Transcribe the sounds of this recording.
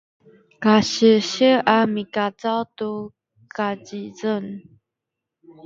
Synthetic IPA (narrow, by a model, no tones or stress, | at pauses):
kaɕəɕəʔamikat͡sat̪u | kat͡ɕit͡sən